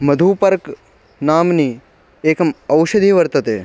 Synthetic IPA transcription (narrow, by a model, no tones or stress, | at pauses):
mɐd̪ʱuːpɐɾk | naːmniː | eːkɐmɐwʃəd̪ʱiːʋɐɾt̪ɐt̪eː